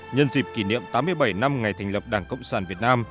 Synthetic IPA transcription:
ɲə˧nzi˨˩p̚ki˧˩nḭ˧˨əmt̪aː˨˦mːɨ˧əjɓa˧˩jna˧mŋa˨˩jt̪ʰɛ˨˩ŋ̟lə˨˩p̚ɗaː˧˩ŋkə̰˧˨wŋ͡msaː˧˩nvi˨˩ət̚naː˧m

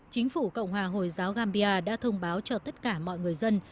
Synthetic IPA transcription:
t͡ɕï˨˦ŋ̟fu˧˩kə̰˧˨wŋ͡mɦwaː˨˩ɦo˨˩jzaː˨˦wɣaː˧mɓi˧ʔaː˧ɗa̰ː˧˥t̪ʰə˧wŋ͡mɓaː˨˦wt͡ɕɔ˧t̪ə˦˥t̚kaː˧˩mɔ̰˧˨jŋɨ˨˩əjzə˧n

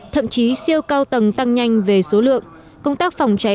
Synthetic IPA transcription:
t̪ʰə̰˧˨mt͡ɕi˨˦si˧əwkaː˧wt̪ə˨˩ŋt̪a˧ŋɲa˧jŋ̟ve˨˩so˨˦lɨ̰˧˨əŋ | kə˧wŋ͡mt̪aː˦˥k̚fa˨˩wŋ͡mt͡ɕa˨˦

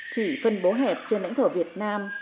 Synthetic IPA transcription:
t͡ɕi˧˩fə˧nɓo˨˦ɦɛ˨˩p̚t͡ɕe˧nla̰˧˥ŋt̪ʰo˧˩vi˨˩ət̚naː˧m

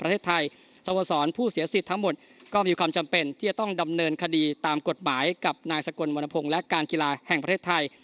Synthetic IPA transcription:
pɾʰeː˥˩t̪ʰːa˧j | sa˧o˨˧˩sɔː˩˦˥npʰuː˥˩si˩˦ɐsi˨˩t̪ʰːa˦˥ŋmo˨˩t̪̚ | kɔː˥˩miː˧kwaː˧mt͡ɕa˧mpe˧nt̪ʰiː˥˩t͡ɕa˨˩t̪ɔ˥˩ŋda˧mnɤː˧nkʰa˧diː˧t̪aː˧mko˨˩t̪̚maː˩˦jka˨˩p̚naː˧jsa˧ko˧nmoː˧na˧pʰo˧ŋlɛ˦˥kaː˧nki˧laː˧hɛ˨˩ŋpɾa˧tʰeː˥˩t̪ʰːa˧j

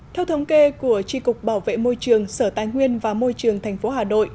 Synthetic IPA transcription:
t̪ʰɛ˧wt̪ʰə˨˦wŋ͡mke˧ku˧˩ət͡ɕi˧kʊ˨˩k͡p̚ɓaː˧˩wvḛ˧˨mo˧jt͡ɕɨ˨˩əŋsəː˧˩t̪aː˨˦jŋwi˧ənvaː˨˩mo˧jt͡ɕɨ˨˩əŋt̪ʰɛ˨˩jŋ̟fo˨˦ɦaː˨˩no̰˧˨j

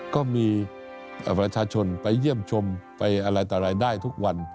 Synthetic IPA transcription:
kɔː˥˩miː˧ | ʔpɾa˧t͡ɕʰaː˧t͡ɕʰo˧npa˧jːi˥˩əmt͡ɕʰo˧mpa˧jʔa˧ɾa˧jt̪aː˨˩ɾaː˧jdaː˥˩jt̪ʰu˦˥k̚wa˧n

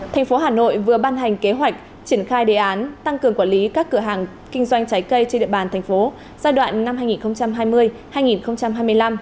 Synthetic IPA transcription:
t̪ʰɛ˨˩jŋ̟fo˨˦ɦaː˨˩no̰˧˨jvɨ˨˩əɓaː˧nɦa˨˩jŋ̟ke˨˦ɦwa˨˩jk̟̚ | t͡ɕi˧˩ənxaː˧jɗe˨˩ʔaː˨˦nt̪a˧ŋkɨ˨˩əŋkwaː˧˩li˨˦kaː˦˥kːɨ˧˩əɦaː˨˩ŋ | kï˧ŋ̟zwa˧jŋ̟t͡ɕa˨˦jkə˧jt͡ɕe˧nɗḭ˧˨əɓaː˨˩nt̪ʰɛ˨˩ŋ̟fo˨˦ | zaː˧jɗwa̰ː˧˨nːa˧mɦaː˧jŋi˨˩nxə˧wŋ͡mt͡ɕa˧mɦaː˧jmɨ˧əj | haː˧jŋi˨˩nxə˧wŋ͡mt͡ɕa˧mɦaː˧jmɨ˧əjla˧m

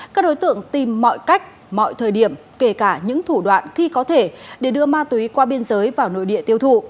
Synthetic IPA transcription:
kaː˦˥k̚ɗo˨˦jt̪ɨ̰˧˨əŋt̪i˨˩mːɔ̰˧˨jka˦˥jk̟̚ | mɔ̰˧˨jt̪ʰəː˨˩jɗi˧˩əmke˧˩kaː˧˩ɲɨ̰˧˥ŋt̪ʰu˧˩ɗwa̰ː˧˨nxi˧kɔ˨˦t̪ʰe˧˩ɗe˧˩ɗɨ˧əmaː˧t̪wi˨˦kwaː˧ɓi˧ənzəː˨˦jvaː˨˩wno̰˧˨jɗḭ˧˨ət̪i˧əwt̪ʰṵ˧˨

